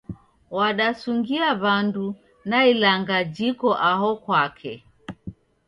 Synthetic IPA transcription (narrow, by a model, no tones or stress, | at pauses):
waɗasuŋɡiaβandu | nailaŋɡad͡ʒikɔʔaɦɔkwakʰɛ̰